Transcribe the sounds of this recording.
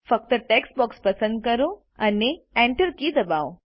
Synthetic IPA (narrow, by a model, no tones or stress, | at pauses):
fək̚t̪əʈeksbɔkspɐsə̃nd̪̚kəɾõ | ɐneɛ̃ɳʈəɾkid̪ɐbao